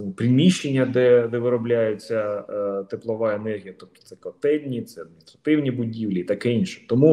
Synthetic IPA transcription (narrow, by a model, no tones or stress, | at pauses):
pɾʲimʲiʃːenʲːɐd̪ɛd̪ɛʋɪɾɔblʲajet͡sʲːɐt̪eplˠɔʋɑenɛrɦʲijɐt̪ɔkʲt̪sɛkɔt̪ɛlʲnʲit̪sɛɐd̪̚mʲɪnʲst̪ɾɐt̪ɪwnʲibʊdʲiwlʲiit̪ɑkɪinʃɛ̥t̪ɔmu